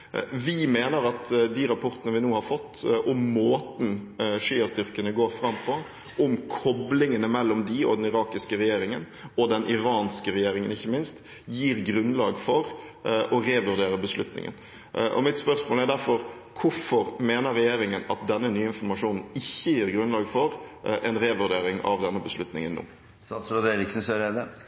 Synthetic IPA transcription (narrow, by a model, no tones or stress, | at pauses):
ʋɪmeːnəɾɑt̪d̪iːɾɑpʰɔɾt̪ənəʋɪnuːhɑɾfɔt̪ːʔɔmːoːt̪n̩ʂiːɑst̪ʏɾkənəɡoːɾfɾɑmːpʰɔ | ʔɔmkʰɔblɪŋənəmɛlːɔmd̪ɪɔ̰d̪ɛnɪɾɑːkɪskəɾɛjeːɾɪŋən | ɔd̪ɛnʔɪɾɑːnskəɾɛjeːɾɪŋənɪçːəmɪnst̪ | jiːɾɡɾʉnlɑːɡfɔɾ | ʔɔɾeːʋʉɾd̪eːɾəbəslʉt̪nɪ̰ŋə̰n | ʔɔ̰mɪt̪spœɾsmoːlæɾd̪æɾfɔɾ | kʰʊfɔɾmeːnəɾːɛjeːɾɪŋənɑt̪̚d̪ɛnːənyːəɪnfɔɾmɑʂuːnn̩ɪçːəjiːɾɡɾʉnlɑːɡfɔɾʔɛnɾeːʋʉɾd̪eːɾɪŋɑ̰ʋd̪ɛnːəbəslʉt̪nɪ̰ŋənːṵː | sɑslɔd̪eɾɪksn̩seɾɛd̪ə